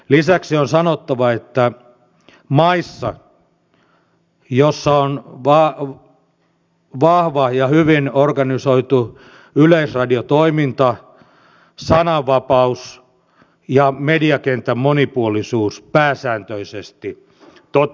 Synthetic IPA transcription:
lisæksionsɑnot̪ːɑʋɑet̪ːæ | mɑisːɑ̰ | josːɑonʋɑ | ʋɑhʋɑjɑhyʋinorɡɑnisoit̪u | yleisrɑdiot̪oimint̪ɑ | sɑnɑʋʋɑpɑus | jɑmediɑkent̪æmmonipuolisuːspæːsæːnt̪øisest̪i | t̪o

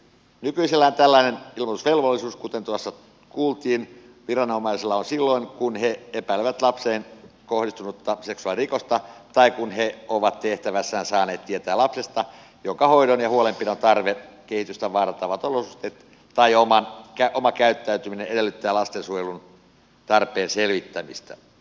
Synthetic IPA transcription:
nykyiselːæont̪ælːæinenilmot̪usʋelʋolːisuːskut̪ent̪uɑsːɑ | kuːlt̪iːn | ʋirɑnomˑɑiselːɑonsilːoiŋkunheepæileʋæt̪lɑpseːnkohdist̪unut̪ːɑseksuɑlirikost̪ɑt̪ɑikunɦeoʋɑt̪t̪eht̪æʋæsːæːnsɑːneːt̪t̪iet̪æːlɑpsest̪ɑ | joŋkɑhoiɾonjɑhuolempinont̪ɑrʋekehit̪yst̪æʋɑːrɑt̪ːɑʋɑt̪olosust̪et̪ | t̪ɑiomɑnkæʔomɑkæyt̪ːæyt̪ymineedelːyt̪ːæːlɑst̪ensujelun | t̪ɑrpeːnselʋit̪ːæmist̪æ̰

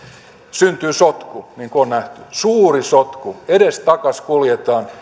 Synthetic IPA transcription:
synt̪yːsot̪kuniŋkonnæht̪ysuːrisot̪kuedest̪ɑkɑskuljet̪ɑːn

